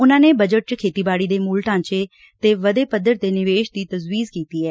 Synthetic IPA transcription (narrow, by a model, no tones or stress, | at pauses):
ʊnãːneːbəd͡ʒəʈ̚t͡ʃkʰeːt̪iːbaːɽiːd̪eːmuːlʈãːɲt͡ʃeː | t̪eːʋəd̪eːpəd̪əɾd̪eːnɪʋeːʃd̪iːt̪əzwiːzkiːt̪iːɛː